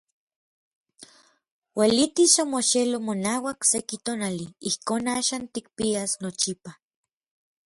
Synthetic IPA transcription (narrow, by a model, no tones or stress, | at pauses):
wʔelit̪iʃomoʃelomonaːwaksekit̪oːnaliihkoːnaːʃaːnt̪ik̚piasnot͡ʃipa